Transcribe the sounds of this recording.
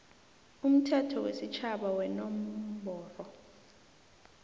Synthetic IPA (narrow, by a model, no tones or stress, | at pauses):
um̩tʰɛtʰɔwḛsit͡ʃʰaɓawɛnɔm̩bʱɔːrɔ